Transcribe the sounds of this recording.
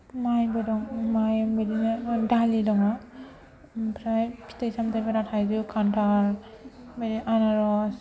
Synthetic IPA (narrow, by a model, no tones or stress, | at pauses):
majbadɔŋmajmeɾinadalidɔŋa | pʰɾajpʰi̥tajsamtʰajbaɾatʰajdukʰantʰaɾ | meɾiʔanaɾɔs